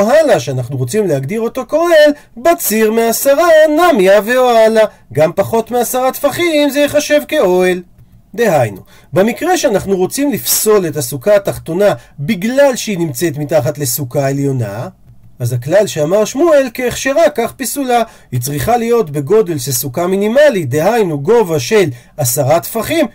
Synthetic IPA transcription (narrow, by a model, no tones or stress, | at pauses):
oɦalaʃeanaχnuʁo̞t͡simleɦaɡd̪iʁo̞t̪o̞koel | bat͡siʁmeasaʁanamjaveoala | ɡampaχo̞t̪measaʁat̪faχiːmzejeχaʃe̞vke̞o̞el | d̪e̞ɦajnu | be̞mikʁeʃeanaχnuʁo̞t͡simlifso̞le̞t̪asukaːt̪aχt̪o̞nabiɡlalʃeinimt͡se̞t̪mitaχat̪le̞sukae̞ljo̞na̰ | azaklalʃeamaʁʃmuelkeːχʃeʁakaχpisula | hit͡sʁiχalijo̞t̪be̞ɡo̞de̞lʃesukaminimalid̪e̞ɦajnuɡo̞vaʃe̞l | asaʁat̪faχim